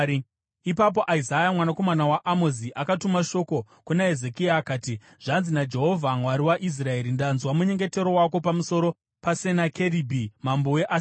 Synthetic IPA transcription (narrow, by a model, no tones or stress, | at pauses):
ipap̬o̞ʔaizajamwanakomanawaʔamoziʔakatumaʃo̞ko̞ | kunae̞ze̞kiaːkaːti | ʐ̥anzinad͡ʒe̞ɦovʱamwaɾiwaʔis̬rae̞ɾindanzwamuɲe̞ŋɡe̞te̞ɾo̞wako̞pamuso̞ɾo̞ | pasenake̞ɾibʱimamboweʔa